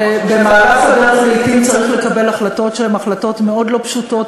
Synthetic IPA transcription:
bemaːʁaχadanlijtimt͡saʁiχle̞kabe̞laχlato̞tʃeemaχlato̞tme̞o̞dlo̞pʃuto̞t

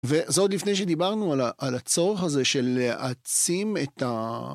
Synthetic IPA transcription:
vezod̪lifnejʃ̬ed̪ibaʁnualaʔalat͡so̞ʁeχaze̞ʃelːeʔat͡simet̪a

